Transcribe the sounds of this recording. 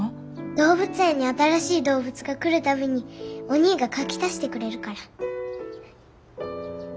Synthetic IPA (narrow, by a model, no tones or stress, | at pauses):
d̪̥o̞ːβɯ̟t͡sɨẽ̞ɲ̟ːiat̪aɾaɕiːd̪o̞ːbɯ̟t͡sɨɡakɯ̟ɾɯ̟t̪ame̞ɲ̟io̞ɲ̟iːɡakakʲi̥t̪aɕi̥t̪e̞kɯ̟ɾe̞ɾɯ̟kaɾa